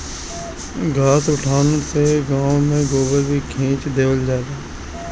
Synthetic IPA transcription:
ɡʱaːsʊʈʰaːnõseɡãːõmẽɡoːbəlbʱikʰẽːt͡ʃd̪eːʋəld͡ʒaːɾaː

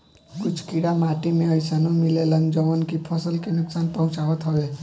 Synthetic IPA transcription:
kʊt͡ʃʰkiɽamaːʈimẽəɪsaːnõmɪleləŋd͡ʒəʋənkipʰɔsəlkenʊksaːnpəɦʊ̃t͡ʃaːɦət̪ɦoʋeː

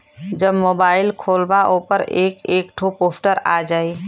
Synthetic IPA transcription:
d͡ʒəbmoːbaːɪlkʰoːlbaʔoːpəɾeːkeːkʈʰupoːpʰʈəɾa̰d͡ʒaːi

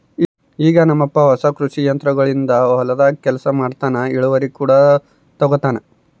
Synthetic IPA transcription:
iːɡɐnɐmːɐpːɐʋɐsɐkɾuʂijɐnt̪ɾɐɡɐɭind̪ɐɐlɐd̪aːkɛlɐsɐmaːɽt̪aːnɐiɭuʋɐɾikuːɽɐ | t̪ɔɡot̪aːnɐ

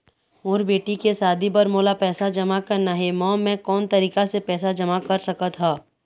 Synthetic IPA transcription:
ʊːɾbeːʈikesaːd̪ʱibɐɾmoːlapɛːsad͡ʒɐmakɐɾnaɦɛmɔ̃ːmɛ̃kɔːnt̪ɐɾiːkasepɛːsad͡ʒɐmakɐɾsɐkət̪ɦaː

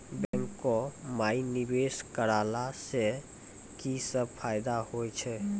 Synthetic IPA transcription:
bɛ̃ŋkːɔmainibeskəɾalase | kisəb̚pʰajd̪ahojt͡ʃʰɛ

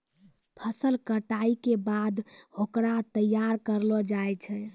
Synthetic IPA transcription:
pʰəsəlkəʈaikebad̪hokɾat̪əjːaɾkəɾlɔd͡ʒajt͡ʃʰɛ

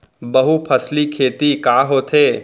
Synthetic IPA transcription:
bɐɦupʰɐslikʰeːt̪ikaːɦoːt̪ʰeː

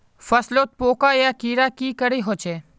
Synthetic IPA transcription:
fɐsloːt̪̚poːkaːjaːkiːɾakiːkəɽeɦoːt͡ʃʰeː

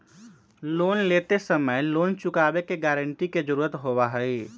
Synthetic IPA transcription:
loːnlet̪esəməjloːnt͡ʃʊkaːbekeɡɛɾəɳʈiked͡ʒəɾuːɾət̪ɦobaɦəi

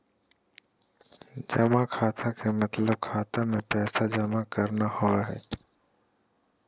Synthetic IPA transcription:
d͡ʒəmakʰaːt̪ʰakʰemət̪ləb̚kʰaːt̪amẽpɛːsad͡ʒəmakəɾnahoaɦɛ̰ː

